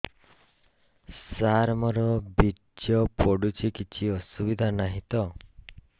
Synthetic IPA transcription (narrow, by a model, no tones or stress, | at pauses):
saɾmɔɾɔbi | d͡ʒjɔpɔɽut͡ʃʰikit͡ʃʰiɔsubid̪ʱanaɦĩt̪ɔ